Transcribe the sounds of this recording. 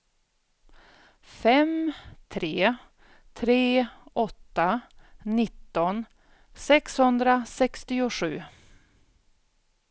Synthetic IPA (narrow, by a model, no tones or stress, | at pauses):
fɛmt̪ʰɾeː | t̪ʰɾeːʔɔt̪ːanɪt̪ːɔn | sɛkshɵnd̪ɾasɛkst̪ɪʊɧʉ̟ː